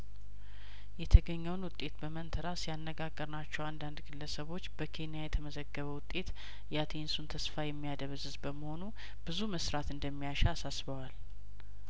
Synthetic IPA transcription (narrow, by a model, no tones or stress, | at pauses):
jɛt̪ʰəɡəɲːɛwnwʊt̪ʼːe̞t̪bəmənt̪ʰəɾasjanːəɡaɡːəɾnat͡ʃːɛwand̪and̪ɡɨlːəsəβo̞t͡ʃːb̥əkʰe̞nijajɛt̪ʰəməzəɡːəβəwʊt̪ʼːe̞t̪ | jat̪ʰensunt̪ʰəsfajɛmːijad̪əβzɨzbəməho̞nu | b̥ɨzuməsɾat̪ɨnd̪əmːijaʃɛasasbəwal